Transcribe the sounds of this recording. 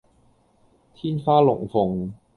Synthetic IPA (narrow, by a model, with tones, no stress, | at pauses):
t̪ʰiː˥nfaː˥lʊ̰˨˩ŋfʊ˨˩ŋ